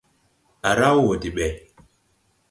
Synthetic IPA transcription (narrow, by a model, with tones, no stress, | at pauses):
a˨ɾa˦wo˨di˨ɓɛ˨